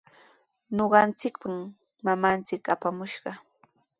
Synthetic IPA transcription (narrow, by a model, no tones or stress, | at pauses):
noɢɑnt͡sɪkpam | mamant͡sɪkapamʊʃɢɑ